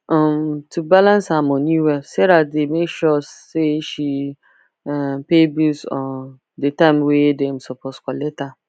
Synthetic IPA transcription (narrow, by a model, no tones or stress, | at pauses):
ɔ̃mtʰubalãnsamɔ̃nũwɛsɛɾat̚demekʃɔseʃi | pebusɔ̃n | detãmwedɛ̃msɔpʰɔskɔleta